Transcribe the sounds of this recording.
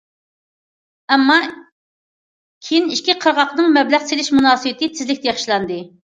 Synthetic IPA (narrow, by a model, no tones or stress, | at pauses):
ɛmːɑ | kʲʰejiniʃkʲʰiqʰəɾʁɑqnɨŋmɛblæʁselɪʃmunɑːsɨwɪt̪ʰɪt̪ʰɪzlɪk̚ʲt̪ʰɛjeχʃilˠɑnd̪ɨ